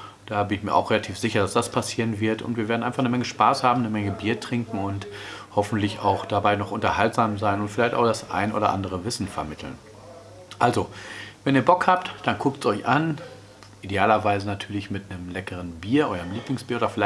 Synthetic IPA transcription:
d̥aːbɪnɪçmiːɐʔa̰ʊχʁ̥eːlatʰiːfz̥ɪçɐdasd̥aspʰasiːʁənvɪɐtʊ̰ntv̥iːɐveːɐdn̩ʔaɪnfaχnəmɛŋəʃpaːshaːbm̩nəmɛŋəbiːɐtʁ̥ɪŋkŋ̩ʊnthɔfn̩tlɪça̰ʊxd̥abaɪnɔχʊntɐhaltz̥aːmzaɪnʊntfɪlaɪçta̰ʊxd̥asʔa̰ɪnənʔoːdɐʔa̰ndəʁ̞əvɪsn̩fɛɐmɪtʰl̩n | ʔalzovɛniːɐbɔkhaːp̚td̥ankʰʊk̚tsʔɔʏçʔan | ʔideaːlɐvaɪzənatʰyːɐlɪçmɪtnəmlɛkəʁ̞ənbiːɐʔɔʏʁəmliːplɪŋsb̥iːɐːdɐfɪla

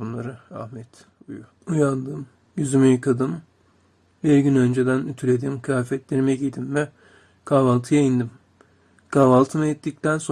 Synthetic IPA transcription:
unlˠaɾɯa̰hmɛt̪ | uju | ujand̪ɯm | jyzymyjkʰad̪ɯm | biɾɟynø̞nd͡ʒed̪ænyt̪ʰylʲed̪imkʰjaːfɛt̪lʲeɾimɛɟid̪immɛ | kʰaːvalˠt̪ʰɯjaind̪im | kʰaːvalˠt̪ʰɯmɯɛt̪ʰːic̚t̪ʰænso

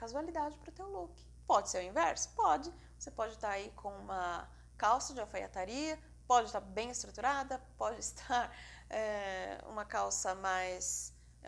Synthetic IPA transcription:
kazualid̪ad͡ʒɪpɾʊt̪ewlukɪ̥ | pɔd͡ʒɪseɾʊ̃ĩvɛɾsʊ̥pɔd͡ʒɪ | vosepɔd͡ʒɪt̪aɾaikʰõũmɐ | kawsɐd͡ʒɪafaja̰t̪aɾiɐ | pɔd͡ʒɪst̪aɾbẽj̃ɪst̪ɾut̪uɾad̪ɐpɔd͡ʒɪst̪ʰaɾ | ɛṵ̃mɐkawsɐmajs

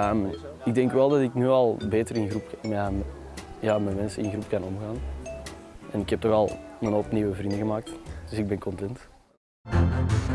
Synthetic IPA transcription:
əːm | ɪɡ̚dɛŋkʋɛlˠdɑtɪknyːɑlˠbeːtərɾɪnɣrupməm | jaːmɛnmɛnsəɪ̰nɣɾupkɑnɔmɣaːn | ɛnɪkhɛp̚tɔxɑlˠmənɔpniːwəvrindəɣəmaːk̚td̥ʏsɪɡ̚bɛnkɔntɛnt

